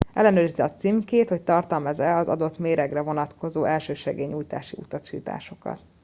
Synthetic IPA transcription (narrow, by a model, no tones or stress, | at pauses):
ʔɛ̰lːɛnøːɾizɛɒt̪simkeːt̪hoc̚t̪ɒrt̪ɒmɛzɛɒzɒ̰d̪o̞t̪meːɾɛɡrɛvo̞nɒt̪ko̞zoːʔɛlʃøːʃɛɡeːɲuːjt̪a̰ːʃiut̪ɒʃiːt̪a̰ːʃo̞kɒ̰t̪